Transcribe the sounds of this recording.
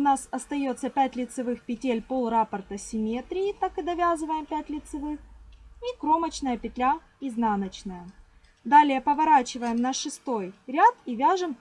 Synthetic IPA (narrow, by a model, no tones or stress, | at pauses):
ʊnasɐst̪ɐjo̞t̪səpʲætʲlʲɪt̪sɨvɨxpʲɪtʲelʲpo̞lˠrapərt̪əsʲɪmʲe̞t̪ɾʲɪːt̪akɨd̪ɐvʲazɨvəjɪmpʲætʲlʲɪt̪sɨvɨxikɾo̞mət͡ɕnəjəpʲɪt̪lʲa | iznanət͡ɕnəjə | d̪alʲɪjəpəvɐɾat͡ɕɪvəjɪmnɐʂɨst̪o̞jɾʲat̪ivʲaʐɨm